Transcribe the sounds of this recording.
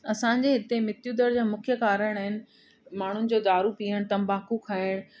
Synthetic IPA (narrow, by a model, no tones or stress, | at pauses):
ɐsãɲ̆d͡ʑeɦɪt̪emɪt̪jud̪əɾd͡ʑaːmʊkʰjəkaːɾəɽ̃aːɦɪnɪ̆ | maːɳ̤ʊnɪ̆d͡ʑoːd̪aːɾupiːəɽ̃t̪ɐ̃mbaːkukʰaːɪɽ̃